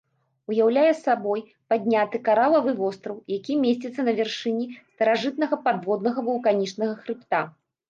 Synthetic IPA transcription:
ujawlʲajɛsabɔj | pad̪ʲnʲat̪ɨkaɾalˠɐvɨvɔst̪ɾɐwjakʲimʲesʲt͡sʲit̪sːɐnɐvʲɛrʂɨnʲist̪ɐɾaʐɨt̪̚nɐɣɐpad̪vɔd̪nɐɣɐvɐlˠkanʲit͡ʂnɐɣɐxɾɨpt̪a

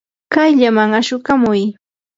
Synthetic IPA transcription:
kajʎamaŋaʃʊkamʊj

